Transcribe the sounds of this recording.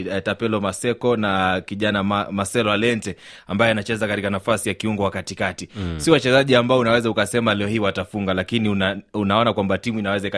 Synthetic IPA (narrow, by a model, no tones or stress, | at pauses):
tapɛlɔmasɛkɔnakiʄanammasɛlɔalɛntɛ | ambajɔanat͡ʃɛzakatikanafasijakiuŋɡɔwakatikatisiwat͡ʃɛzaʄiambaɔunawɛzaukasɛmalɛɔɦiwatafuŋɡalakiniunaunaɔnakwambatimuinawɛzaika